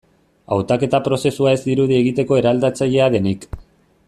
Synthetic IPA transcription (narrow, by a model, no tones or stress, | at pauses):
a̰wt̪ake̞t̪apɾo̞se̞suae̞zd̪iɾuðie̞ɣ̞it̪e̞ko̞e̞ɾald̪at͡saʎe̞aðe̞nik